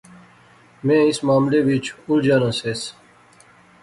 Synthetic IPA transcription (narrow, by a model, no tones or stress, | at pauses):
mẽːɪsmaːmleʋit͡ʃʰuɾd͡ʒaːnaseːs